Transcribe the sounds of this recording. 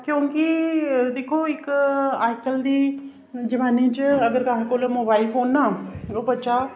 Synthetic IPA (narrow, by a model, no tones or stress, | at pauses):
kjõːkid̪eːkʰoɪkʊaːjkəld̪iː | d͡ʑɐʋaːnĩd͡ʑɪɐɡəɾkaːɦekoːlemoːbaːɪlfoːnːaːopɐt͡ɕa